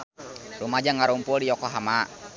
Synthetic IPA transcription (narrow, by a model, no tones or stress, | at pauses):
rumad͡ʒaŋaɾumpuldijɔkɔɦama